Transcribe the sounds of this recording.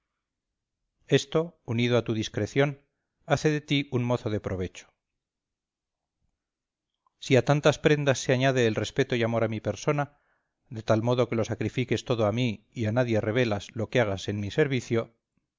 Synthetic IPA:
e̞st̪o̞unið̞oat̪uðiskɾe̞θjo̞n | aθe̞ðe̞t̪iunmo̞θo̞ðe̞pɾo̞βe̞t͡ʃo̥ | siat̪ant̪aspɾe̞nd̪asːeaɲaðe̞ːlre̞spe̞t̪o̞iamo̞ɾamipe̞ɾso̞na | ðe̞t̪almo̞ðo̞ke̞lo̞sakɾifike̞st̪o̞ð̞oami | ianaðje̞re̞β̞e̞lazlo̞keaɣase̞nmise̞ɾβiθjo̞

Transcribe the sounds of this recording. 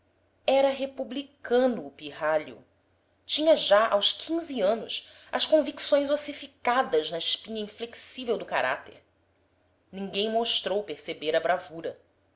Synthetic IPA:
ɛɾɐɦepublikʰɐ̃nʊːpiɦaʎʊ̰ | t͡ʃĩɲɐʒaʔawskʰĩziɐ̃nʊs | ɐskõviksõj̃zosifikad̪ɐznɐɪʃpĩɲɐĩfleksivewd̪ʊkaɾa̰t̪ḛɾ | nĩŋɡẽj̃moʃt̪ɾowpeɾsebeɾɐbɾavuɾɐ

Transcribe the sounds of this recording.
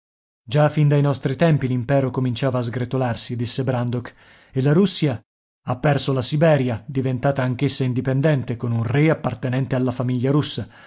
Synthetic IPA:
d͡ʒafind̪ajnɔst̪ɾit̪ɛmpilimpɛːɾokomint͡ʃaːvaːzɡɾet̪olarsid̪isːebɾand̪ok | elːaɾusːja | apːɛrsolasibɛːɾjad̪ivent̪aːt̪aːŋk̟esːaind̪ipend̪ɛnt̪ekonunreapːart̪enɛnt̪ealːafamiʎːaɾusːa

